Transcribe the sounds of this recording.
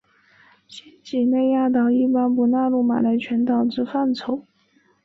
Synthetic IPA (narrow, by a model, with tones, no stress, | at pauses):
ɕɛ˥nt͡ɕi˨˩ne˥˧ɪja˥˩t̪̬ɑ˥˩ʊi˥˩pa˥npu˧˥na˥˧lu˥˩ma̰˨˩la˧˥ɪt͡ɕʰɥɛ˧˥nt̪ɑ˨˩ʊʈ͡ʂɻ̩˥˧fa˥˩nt͡sʰo˨˥˦ʊ